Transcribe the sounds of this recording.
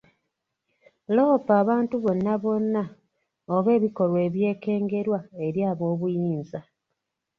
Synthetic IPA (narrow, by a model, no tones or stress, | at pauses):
loːpaːβaːntuβo̞nːaβo̞nːa | oβe̞ːβiko̞lwe̞ːβje̞ːke̞ːŋɡe̞ɾwae̞ɾjaːβo̞ːβujiːnza